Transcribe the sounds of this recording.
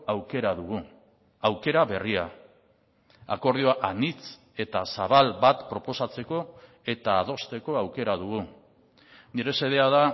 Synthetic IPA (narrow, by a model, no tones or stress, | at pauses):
awke̞ɾaðuɣu | awke̞ɾaβe̞ria | ako̞ɾð̞ioaʔanit͡s | e̞t̪asaβ̞albat̪pɾo̞po̞sat͡se̞ko̞ | e̞t̪aːðo̞st̪e̞ko̞awke̞ɾaðuɣu | niɾe̞se̞ðe̞aða